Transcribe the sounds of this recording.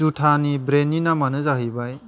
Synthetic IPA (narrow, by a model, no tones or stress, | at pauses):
utʰanibɾeninamanɯzaɦibaj